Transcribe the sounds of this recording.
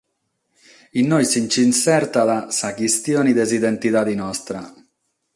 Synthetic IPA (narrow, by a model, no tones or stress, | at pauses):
inːɔjsint͡ʃinsɛɾt̪aðasakist̪jɔːnid̪ezid̪ɛnt̪it̪ad̪inɔst̪ɾa